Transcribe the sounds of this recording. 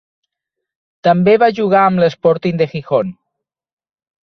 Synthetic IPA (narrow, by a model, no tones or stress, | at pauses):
t̪əmbeβaʒuɣ̞aəmləspɔɾt̪ind̪əxixon